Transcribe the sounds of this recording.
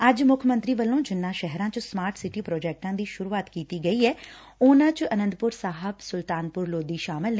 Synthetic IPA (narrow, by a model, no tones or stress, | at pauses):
əd͡ʒmʊkʰmə̃nt̪ɾiːʋəlːõːd͡ʒɪnːãːʃɛɦɾãːt͡ʃsmaːɾʈsɪʈiːpɾɔːd͡ʒɛːk̚ʈãːd̪iːʃʊɾuːaːt̪kiːt̪iːɡəiːɛː | ʊnãːt͡ʃənə̃nd̪pʊɾsaːɦəbsʊlt̪aːnpʊɾloːd̪iːʃaːmɪln